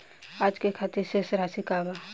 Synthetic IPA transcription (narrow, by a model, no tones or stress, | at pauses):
aːd͡ʒkekʰaːt̪ɪɾsesɾaːsikaːba